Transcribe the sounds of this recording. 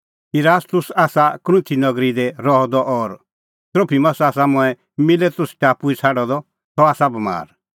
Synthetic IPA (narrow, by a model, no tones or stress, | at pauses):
iɾaːst̪ʊsaːsakɾũt̪ʰinɐɡɾid̪ɛɾɔɦɔd̪ɔʔɔɾ | t̪ɾoːpʰimɐsaːs̬amʊ̃ɛ | mɪlet̪ʊsʈʲaːpuit͡sʰaɖɔd̪ɔ | t̪ɔaːsabɐma̰ːɾ